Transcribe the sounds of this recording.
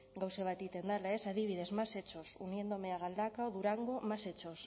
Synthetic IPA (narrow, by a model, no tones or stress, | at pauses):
ɡawseβ̞at̪it̪e̞nd̪alae̞saðiβ̞ið̞e̞zmase̞t͡ʃo̞sunje̞nd̪o̞meaɣ̞ald̪akaoðuɾaŋɡo̞mase̞t͡ʃo̞s